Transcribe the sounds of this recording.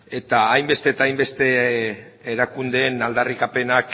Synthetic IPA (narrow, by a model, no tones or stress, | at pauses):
e̞t̪aːjmbe̞st̪e̞ːt̪ajmbe̞st̪e̞ː | ɾakund̪e̞ːnald̪arikape̞nak